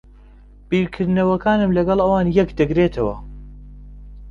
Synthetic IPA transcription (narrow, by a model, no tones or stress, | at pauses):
b̥iːɾkʰɨɾd̪nɐwɐkʰaːnɨmlɐɡɐlˠʔɐwaːnjɐkd̪ɨɡɾeːt̪ʰɐwɐ̰